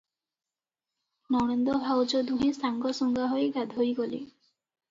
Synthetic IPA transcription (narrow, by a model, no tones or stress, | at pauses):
nɔw̃end̪ɔbʱawd͡ʒɔd̪ũɦẽsʰaŋɡɔsɔŋɡaɦoeɡad̪ʱojɡolḭ